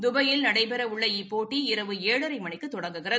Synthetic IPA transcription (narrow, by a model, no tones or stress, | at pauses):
d̪ʊbɐjɪlnɐɽɐɪpɛɾɐʊɭːɐipːoːʈːiɪɾɐʋɯeːɻɐɾɐɪmɐɳɪkːɯt̪ːɔɽɐŋɡɯɣɪrɐð